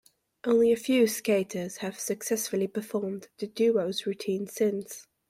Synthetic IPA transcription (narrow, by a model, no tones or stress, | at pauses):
ʔõʊ̃nliəfjʉːskeɪtʰəz̥əv̥səksɛsfəlipəfɔːmðədʉːəʊzɹʉtʰĩːnsɪ̃ns